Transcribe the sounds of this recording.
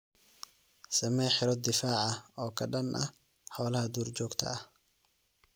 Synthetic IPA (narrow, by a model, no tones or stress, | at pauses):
sɐmɛːħɪɾɔd̪ɪfaːʕɑɔːkʰɐɖɐnʔɐ | ħɔːlɐhɐd̪uːrt͡ʃɔːɡt̪ʰɐ̰ɐh